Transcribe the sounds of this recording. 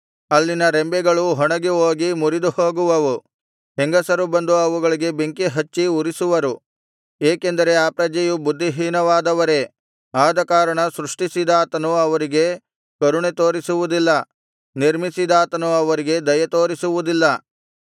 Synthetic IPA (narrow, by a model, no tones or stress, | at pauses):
ɐlːinɐɾembɛɡɐɭuɦɔɳɐɡeoːɡimuɾid̪uho̞ːɡuʋɐʋu | ɦeŋɡɐsɐɾubɐnd̪uɐʋuɡɐɭiɡe̞beŋkeɦɐt͡ʃːiuɾisuʋɐɾu | eːke̞nd̪ɐɾe̞aːpɾɐd͡ʒɐjubud̪ʱːiɦiːnɐʋaːd̪ɐʋɐɾe̞ | aːd̪ɐkaːɾɐɳɐsɾuʂʈisid̪aːt̪ɐnuɐʋɐɾiɡe̞ | kɐɾuɳet̪o̞ːɾisuʋud̪ilːɐ | niɾmisid̪aːt̪ɐnuɐʋɐɾiɡe̞d̪ɐjɐt̪o̞ːɾisuʋud̪ilːɐ